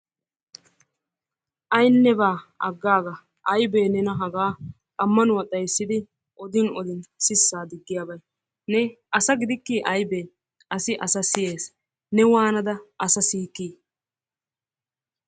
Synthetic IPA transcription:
ʔɐjnːɛbaːɐɡːaːɡɐ | ʔɐjbeːnɛnɐɦɐɡaː | kʼɐmːɐnwɐt̪ʼːɐjsːɪd̪ɪ | ʔɔd̪ɪnɔd̪ɪnsɪsːaːd̪ɪɡːɪjaːbɐj | nɛʔɐsɐɡɪd̪ɪkːiːʔɐjbeː | ʔɐsɪʔɐsɐsɪje̞ːs | nɛwaːnɐd̪ɐʔɐsɐsiːkːiː

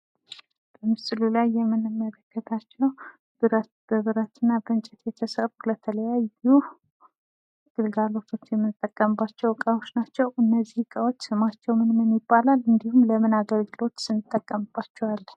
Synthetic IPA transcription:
b̥əmɨsɨlulajːɛmːɨnɨmːələɡːət̪ʰat͡ʃːɛw | b̥ɨɾət̪b̥əβɨɾət̪ʰɨnːabəɨnt͡ʃʼɛt̪jɛt̪ʰəsərulət̪ʰələjaju | ɡ̥ɨlɡalo̞t̪ʰo̞t͡ʃːjɛmːɨnɨt̪ʼːəkʼːəmbːat͡ʃːɛwkʼawo̞t͡ʃːnat͡ʃːɛwʔɨnːəzːihɨkʼawo̞t͡ʃːsɨmat͡ʃːɛwmɨnmɨmːibːalalɨnd̪ihumləmɨnaɡəlɡɨlo̞t̪sɨnːɨt̪ʼːəkʼːəmb̥at͡ʃːɛwalː

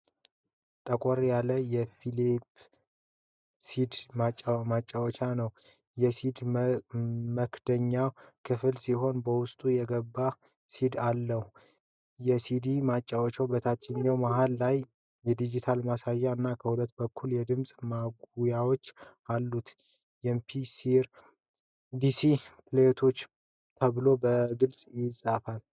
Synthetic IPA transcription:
t̪ʼəkʷʼɔɾjaləjɛfilip | sid̪mat͡ʃʼːamat͡ʃʼːawt͡ʃanəw | jɛsid̪ | məkd̪̥əɲːakʰɨfɨlsiɦo̞nbəwʊst̪ʼujɛɡəbːa | sid̪alːəhu | jɛsid̪imat͡ʃʼːawt͡ʃːəwbət̪ʰat͡ʃːɪɲːawmaɦalːaj | jɛd̪id͡ʒit̪ʰalmasajːaɨnːakʰəhulət̪ːbəkʰːuljɛd̪ɨmsʼmaɡujawo̞t͡ʃː | alːut̪ | jɛmpʰisiɾ | d̪isiplet̪ʰo̞t͡ʃː | t̪ʰəβɨlo̞bəɡɨlsʼjɪsʼafal

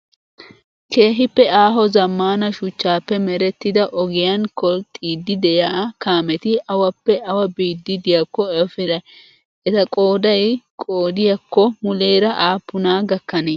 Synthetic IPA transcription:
ke̞ːɦɪpːɛaːɦɔzɐmːaːnɐʃʊt͡ʃːaːpːɛmɛɾɛt̪ːɪd̪ɐʔɔɡɪjɐnkɔlt̪ʼiːd̪ːɪd̪ɛjaːkaːmɛt̪ɪʔɐwɐpːɛɐwɐbiːd̪ːɪd̪ɪjɐkːɔɐfɪɾɐ | ɛt̪ɐkʼo̞ːd̪ɐjkʼoːd̪ɪjɐkːɔmʊle̞ːɾɐʔaːpːʊnaːɡɐkːɐne

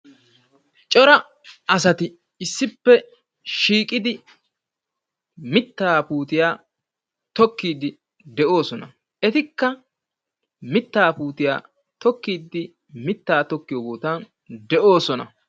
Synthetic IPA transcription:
t͡ʃʼɔɾɐ | ɐs̬ɐt̪ɪ | ɪsːɪpːɛ | ʃiːkʼɪd̪ɪ | mɪt̪ːaːpuːt̪ɪjaː | t̪ɔkːiːd̪ɪ | d̪ɛʔo̞ːsɔnɐ | ɛt̪ɪkːɐ | mɪt̪ːaːpuːt̪ɪja̰ː | t̪ɔkːiːd̪ːɪ | mɪt̪ːaːt̪ɔkːɪjɔːɡoːt̪an | d̪ɛʔo̞ːsɔnɐ̰

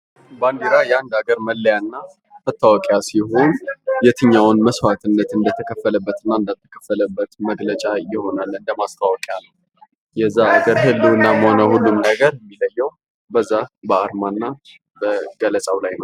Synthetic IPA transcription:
band̪iɾajɛand̪aɡəɾməlːəjanːa | mət̪ʰːawɔkʼjasiho̞njɛt̪ʰɨɲːawnməswat̪ʰɨnːət̪ɨnd̪ət̪ʰəkʰəfːələbːət̪ɨnːaɨnd̪at̪ʰːəkʰəfːələbːət̪məɡlət͡ʃʼajɪho̞nalːɨnd̪əmast̪ʰawɔkʼejalːə | jɛzːaːɡəɾɦɨlːuwɨnːaməho̞nəhulːumnəɡəɾjɛmːiləjːɛw | bəzːabəaɾmanːa | bəɡələsʼawlajnəw

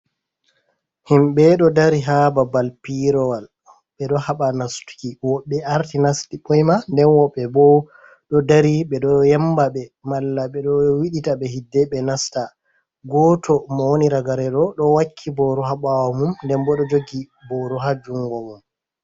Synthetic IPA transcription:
himɓɛɗɔdaɾiɦababalpiɾɔwal | ɓɛɗɔhaɓanastu̥kiwɔɓːɛaɾtinastiɓɔjmandɛnwɔɓːɛbɔ | ɗɔdaɾiɓɛɗɔjɛmbaɓɛmalːaɓɛɗɔwiɗitaɓɛɦidːɛɓɛnasta | ɡɔtʰɔmawoniɾaɡaɾɛɗɔɗɔwakʰːibɔɾɔɦaɓawamumndɛnbɔɗɔd͡ʒoɡi | bɔɾɔɦad͡ʒuŋɡɔmum

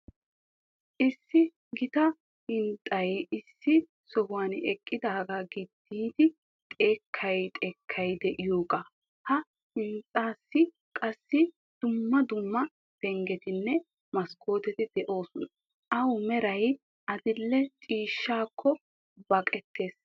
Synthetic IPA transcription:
ʔɪsːɪ | ɡɪt̪ɐ | hɪnt̪ʼːɐjɪsːɪ | sɔhʊwanɛkʼːɪd̪aːɡaɡɪd̪ːiːd̪ɪ | t̪ʼe̞ːkʰːɐjt̪ʼeːkʰːɐjd̪ɛʔɪjoːɡʼɐ | hɐ | hɪnt̪ʼːaːsːɪ | kʼɐsːɪ | d̪̥ʊmːɐd̪ʊmːɐ | b̥ɛŋɡɛt̪ɪnːɛ | mɐskʰo̞ːt̪ɛt̪ɪd̪ɛʔo̞ːsʊn | ʔɐwmɛɾɐj | ʔɐd̪ɪlːɛt͡ʃʼiːʃːaːkʰːɔ | bɐkʼɛt̪ːe̞ːs

